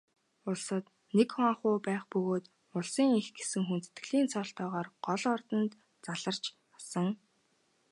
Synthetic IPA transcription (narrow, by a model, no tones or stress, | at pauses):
ʊɮsə̆t̪ | nekχaŋχʊːpæːχpɵɣoːt̪ | ʊɮsiːŋixɡe̥sɘ̆ŋxunt͡se̥t̪ɡɘ̆ɮiːnt͡sʰɔɬt̪ɔːʁaːrɢ̥ɔɮɔrt̪ə̆nt̪ | t͡saɮə̆r̥t͡ɕ | asə̆ŋ